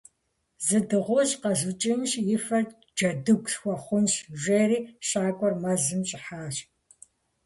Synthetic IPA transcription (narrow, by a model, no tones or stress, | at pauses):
zɨdɨʁʷɔɕʼqɐzɨt͡ʃʼɪmɕjɪfɐr | d͡ʒɐdɨɡʷsxʷɔχʷʊnɕʒʷeːriːʃaːkʷʼɔrmɐzɨmɕʼɪħaːɕ